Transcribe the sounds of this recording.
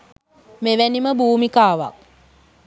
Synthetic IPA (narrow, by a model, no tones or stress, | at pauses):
meʋæniməbuːmikaːʋa̰k̚